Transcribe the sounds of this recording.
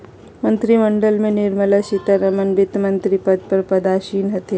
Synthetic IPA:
mɐ̃nt̪ɾiməɳɖəlmẽnɪɾməlaʃit̪aɾɐmənbɪt̪mɐ̃nt̪ɾipɐd̪̚pɐɾpɐd̪aːʃiːnɦɐt̪e

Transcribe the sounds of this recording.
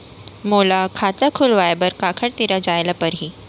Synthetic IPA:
molakʰat̪əkʰulʋajbəɾkakʰəɽt̪iɾad͡ʑajlapəɾɦiː

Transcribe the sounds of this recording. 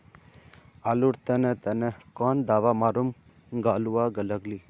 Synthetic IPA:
aːluɾt̪ənet̪ənekɔːnd̪aːʋamaːɾum | ɡaːluaɡələɡli

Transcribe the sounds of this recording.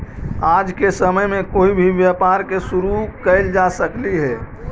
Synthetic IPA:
ad͡ʒkesəməjmẽkoːibʱiʋjəpaɾkesuɾukəɪld͡ʒasəkliɦɛː

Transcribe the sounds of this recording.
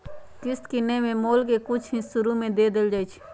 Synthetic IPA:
kɪskɪnemẽmoːlk̬ekʊt͡ʃʰɦĩsʊɾumẽd̪eːd̪ɪld͡ʒaːit͡ʃʰ

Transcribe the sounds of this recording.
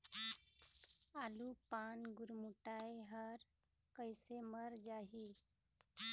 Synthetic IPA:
alupanɡuɾmuʈajɦəɾ | kəjseməɾd͡ʒaɦi

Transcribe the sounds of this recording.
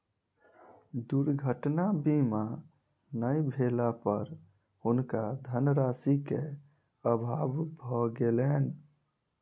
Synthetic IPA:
d̪uɾɡʱəʈnabima | nəjbʱelapəɾ | hunkad̪ʱənɾasike | əbʱabbʱɔɡelɛn

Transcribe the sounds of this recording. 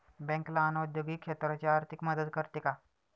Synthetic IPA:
bɛ̃ŋklaːnaud̪joɡiːkʂet̪ɾat͡ɕeaɾt̪ʰikməd̪əd̪kəɾt̪eka

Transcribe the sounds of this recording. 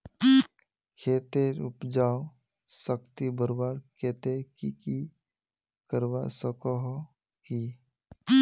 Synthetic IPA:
kʰeːt̪eɾʊpd͡ʒaːw | səkt̪ibəɾwaːɾkeːt̪ekiki | kəɾwa̰səkɔɦ | hi

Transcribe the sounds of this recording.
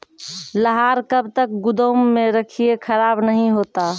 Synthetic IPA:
ləɦaɾkəbt̪ək̚ɡʊd̪əmːeɾəkʰijekʰəɾabnəɦĩɦot̪a

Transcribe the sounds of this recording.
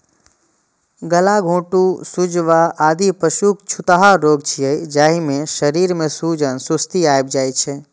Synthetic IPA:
ɡəlaɡʱõːʈusud͡ʒʋaʔaːd̪ipəʃukt͡ʃʰut̪aɦaɾoːɡt͡ʃʰiəid͡ʒaːɦimẽʃəɾiɾmẽsud͡ʒənsust̪iajbd͡ʒaːjt͡ʃʰe

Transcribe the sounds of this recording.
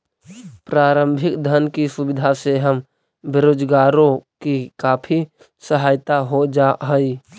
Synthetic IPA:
pɾaːɾə̃mbʱɪkd̪ʱənkisʊbɪd̪ʱaseɦəm | bɪɾoːd͡ʒɡaːɾõkikaːpʰi | səɦaːjt̪aɦod͡ʒaɦəiː

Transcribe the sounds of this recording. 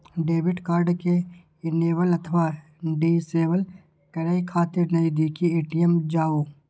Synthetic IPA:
ɖeːʋɪɖkaːɾɖke | ɪneːʋəlɐt̪ʰʋaː | ɖiːseːʋəl | kɐɾaːikʰaːt̪ɪɾnɐid̪iːkieːʈijəmd͡ʒaːoː

